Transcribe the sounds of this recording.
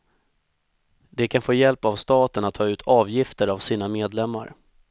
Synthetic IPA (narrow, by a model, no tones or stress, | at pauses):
d̪ɛkʰanfoːjɛlpavst̪ɑːt̪ənat̪ʰːɑːʉ̟ːt̪ʰɑːvjɪft̪əɾavsiːnameːd̪lɛmːa̰ɾ